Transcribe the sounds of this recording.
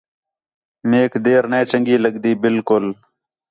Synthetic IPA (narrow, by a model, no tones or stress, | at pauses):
meːkd̪eːɾnẽːt͡ʃəŋɡiːləɡd̪iːbɪlkʊl